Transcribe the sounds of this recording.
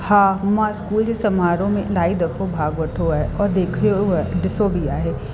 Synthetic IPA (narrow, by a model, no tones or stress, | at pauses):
hãːmãskuːld͡ʒesɐmaːɾõmẽlaːid̪ɐfʰobʱaːɡʋɐʈʰoɛɔːɾd̪eːkʰoɛɖɪsoːbʱiaːɦeː